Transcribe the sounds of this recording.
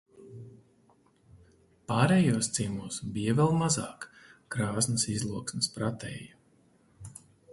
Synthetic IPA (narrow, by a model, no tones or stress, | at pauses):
paːɾɛːjuɔst̪simuːsbijavʲɛlˠmazaːkkɾaːznɐsizlˠuɔksmɪspɾat̪ɛ̰ːjɐ